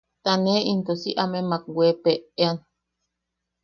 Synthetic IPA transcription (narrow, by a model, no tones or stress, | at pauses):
t̪aneint̪osiʔamemakwʷepeean